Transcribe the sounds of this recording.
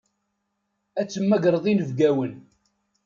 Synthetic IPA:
æt͡sːəmːæɡɾˤəðˤinəvɡæwən

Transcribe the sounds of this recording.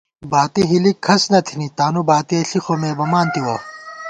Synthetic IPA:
baːt̪iɦilikʰːɐsnɐt̪ʰinit̪aːnubaːt̪ieɬixomeːbɐmaːnt̪iwo

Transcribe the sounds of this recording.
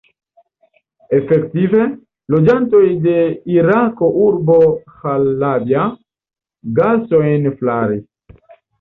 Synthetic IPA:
efektive̞ | lod͡ʒanto̞jde̞iɾako̞ʔuɾbo̞xalːavja | ɡasoenflaɾi

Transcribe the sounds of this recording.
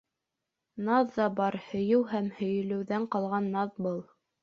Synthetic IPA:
nɑðːɑbɑɾhɵ̆jɘwhæmhɵ̆jɘ̆lɘ̆wðæɴqɑlˠʁɑnːɑðbɤlˠ

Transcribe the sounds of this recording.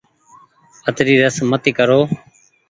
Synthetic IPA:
ət̪ɾiːɾəsmət̪iːkəɾoː

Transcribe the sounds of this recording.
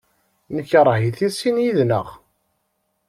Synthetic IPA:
nəçəɾˤɦiθisinjiðnə̰ʁ

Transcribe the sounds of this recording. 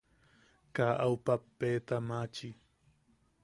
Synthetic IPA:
kaʔawpapːeːt̪amat͡ʃi

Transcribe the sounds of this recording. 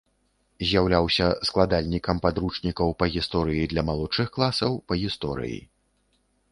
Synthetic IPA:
zʲjawlʲawsʲɐsklˠad̪alʲnʲikɐmpad̪ɾut͡ʂnʲikɐwpɐɣʲist̪ɔɾɨjid̪lʲɐmalˠut͡ʂɨxklˠasɐwpɐɣʲist̪ɔɾɨ̰jḭ

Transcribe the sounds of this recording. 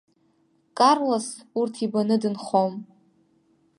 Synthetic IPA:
kʼarlosurtʰibanɨdɨnχom

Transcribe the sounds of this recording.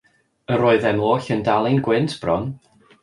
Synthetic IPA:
əɾoːɨðɛmlˠoːɬəndalˠɪnɡwɪntʰb̥rɔn

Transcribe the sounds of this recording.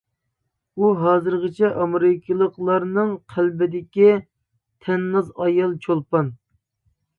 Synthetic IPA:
uɦɑːzɨɾʁət͡ʃʰɛʔɑmɾɪkʲʰɨlˠəqlˠɑɾnɨŋqʰælbɪd̪ɪkʲi | t̪ʰɛnːɨzɑjɑlˠt͡ʃʰolˠpɑn

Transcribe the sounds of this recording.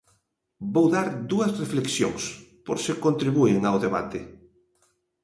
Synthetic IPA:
bowðaɾd̪uɐsrefleksjo̰ŋspoɾsekont̪ɾiβuɪŋawðeβa̰t̪e

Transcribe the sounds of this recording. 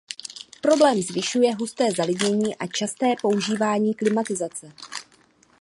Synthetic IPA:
pɾo̞blɛːmzvɪʃujɛɦust̪ɛːzalɪɟɲɛɲiːʔat͡ʃast̪ɛːpo̞uʒiːvaːɲiːklɪmat̪ɪzat͡sɛ

